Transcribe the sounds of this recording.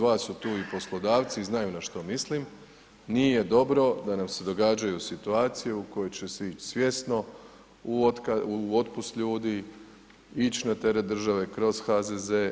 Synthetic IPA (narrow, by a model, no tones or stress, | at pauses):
ʋaːsːut̪uːipo̞slˠo̞d̪aːʋt̪siznajunaʃt̪o̞mislim | nije̞d̪o̞bɾo̞d̪anamse̞d̪o̞ɡaːd͡ʒajusit̪uaːt̪sijeuko̞jo̞jt͡ɕe̞seit͡ʃsʋje̞st̪no̞ | uot̪kauo̞t̪̚pust̪ʎuːd̪i | it͡ɕnat̪e̞ɾet̪̚d̪r̩ʒaʋe̞kɾo̞z̥xazeze